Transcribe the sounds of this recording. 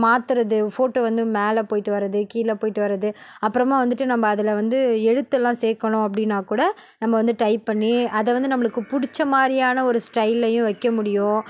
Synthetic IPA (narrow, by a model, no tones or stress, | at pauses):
maːt̪ɯɾɐðɯfoːʈːoːʋɐnd̪ɯmeːlɐpoːjɪʈːɯʋɐɾɐðɯkiːlɐpoːjɪʈːɯʋɐɾɐðɯɐpːɯɾɐmãːʋɐnd̪ɯʈːɯnɐmːɐːðɐlʋɐnd̪ɯɛɽɯt̪ːɛlːãːseːkɐɳʊ̃ɐp̬ːɐɽɪnːaːkuːɽɐ | nɐmːɐʋɐnd̪ɯʈɐɪpːɐɳːiɐðɛʋɐnd̪ɯnɐmːɐɭɯkːɯpʊɽɪt͡ʃːɐmaːd̪ɾɪjaːnɐɔɾɯsʈɐɪlːɐjʊ̃ʋɐɪkːɐmʊɽɪjõ